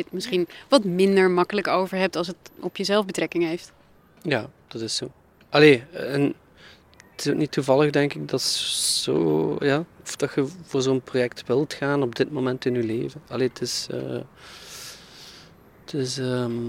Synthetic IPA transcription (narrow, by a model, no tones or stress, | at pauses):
ɪtmɪsχinʋɑtmɪndəɹmɑkələkowvəɹɦɛp̚tɑlˠsətɔpjəzɛlˠvbətrɛkɪŋɦejft | jaːd̥ɑtɪsoː | ʔɑleːɛn | tɪ̥sok̚nitːuvɑləxdɛŋkɪɡ̚dɑtsz̥o̰ːjaːɔfd̥ɑtxəvoːrzoːənprojɛktʋɪlˠtxaːnɔb̚dɪtmomɛntɪnylḛːvənɑleːtʰɪsə̰ː | tʰɪsəm